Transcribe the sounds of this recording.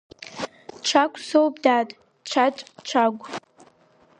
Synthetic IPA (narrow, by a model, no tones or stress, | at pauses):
ʈ͡ʂʷʰakʷʰʼsowpdatʼ | ʈ͡ʂʷʰat͡ʃʷʼʈ͡ʂʷʰaɡʷʼ